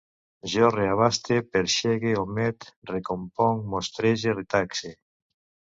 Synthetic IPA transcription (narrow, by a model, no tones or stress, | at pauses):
ʒɔreaβ̞ast̪epeɾʃeɣeomɛt̪rekompɔŋmost̪ɾeʒeret̪akse